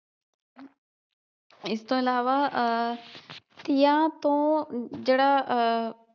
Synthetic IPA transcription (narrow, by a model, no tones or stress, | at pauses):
ɪst̪õːɪlaːʋa | t̪ɪjãt̪õːd͡ʑeːɽa